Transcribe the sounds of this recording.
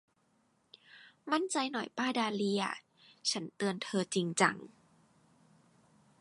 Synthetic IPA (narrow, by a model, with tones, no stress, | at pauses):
ma˥˩nt͡ɕa˧jnɔ˨˩jpaː˥˩daː˧li˧a̰˩ | t͡ɕʰa˦˥nt̪ɯ˧ənt̪ʰɤː˧t͡ɕi˧ŋt͡ɕa̰˧ŋ